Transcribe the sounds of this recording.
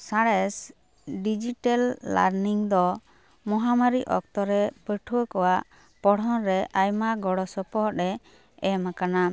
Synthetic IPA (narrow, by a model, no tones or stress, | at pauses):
saɽɛs | ɖid͡ʒiʈalːa̰ɾniŋd̪ɔ | mɔɦamaɾiʔɔ̰k̚t̪ɔɾɛpəʈʰuwəkɔwaʔ | pɔɽɔ̃ɾɛʔajmaɡɔɽɔsɔpɔɦɔɛ | ɛmakana